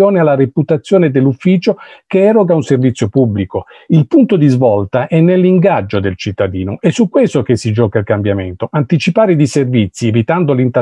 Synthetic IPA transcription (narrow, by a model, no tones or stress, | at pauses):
oːnealːaɾeput̪at̪sːjoːned̪elːufːiːt͡ʃokeɛɾoɡaunservit̪sːjopubːliko | ilpunt̪od̪izvɔlt̪aʔɛnːelːiŋɡad͡ʒːod̪elt͡ʃit̪ːad̪iːnoʔɛsːukːwest̪okesːid͡ʒɔːkailkambjament̪oʔant̪it͡ʃipaːɾed̪iservit̪sːievit̪and̪olint̪